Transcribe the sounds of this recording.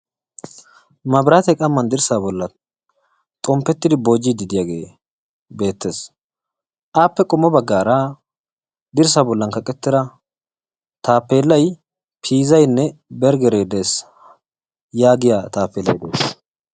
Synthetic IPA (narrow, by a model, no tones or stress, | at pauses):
mɐbɾat̪ɛkʼɐmːɐnd̪ɪɾsaːbɔlːɐ | t̪ʼɔmpːɛt̪ːɪd̪ɪbo̞ːd͡ʒːɪd̪ɪd̪ɪjaɡeː | be̞ːt̪ːe̞ːs | ʔaːpːɛkʼɔmːɔbɐɡːaːɾɐ | d̪ɪɾs̬aːbɔlːɐŋkɐkʼɛt̪ːɪɾɐ | t̪aːpːe̞ːlːɐj | pʰiːzɐjnːɛbɛɾɡɛɾeːd̪e̞ːs | jaːɡɪjat̪aːpːeːlːɐjd̪ḛːs